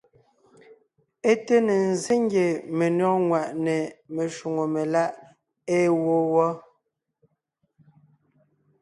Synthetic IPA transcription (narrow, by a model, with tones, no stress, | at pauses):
e˦te˦ne˨n̩˨ze˦ŋɡje˨me˨nɔ˦˨ŋwa˨ʔne˨me˨ʃu˨ŋo˨me˨la˦ʔ | eː˦˨wo˦wɔ˦